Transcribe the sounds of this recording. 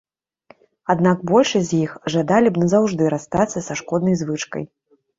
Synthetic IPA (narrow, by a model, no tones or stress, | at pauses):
ad̪naɡ̚bɔlʲʂɐzʲjixʐad̪alʲibnɐzawʐd̪ɨɾast̪at̪sːɐsaʂkɔd̪nɐjzvɨt͡ʂkɐ̰j